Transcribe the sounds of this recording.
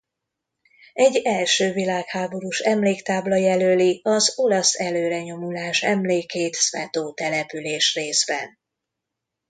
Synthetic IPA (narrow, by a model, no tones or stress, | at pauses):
ɛɟːɛlʃøːvilaːkhaːbo̞ɾuʃɛmleːkt̪aːblɒjɛløːliɒzo̞lɒsɛløːɾɛɲo̞mulaːʃɛ̰mleːkeːt̪sʋɛt̪oːt̪ɛlɛpyleːʃreːzbɛ̰n